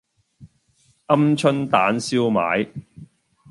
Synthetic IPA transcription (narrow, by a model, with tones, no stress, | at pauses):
ʔɐ˥mt͡ʃʰɵ˥nt̪aː˨˥nsiː˥wma̰ː˨˥j